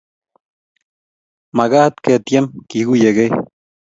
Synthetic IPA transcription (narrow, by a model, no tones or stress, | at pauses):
maɡahat̪ket̪jemkihɡujeɡej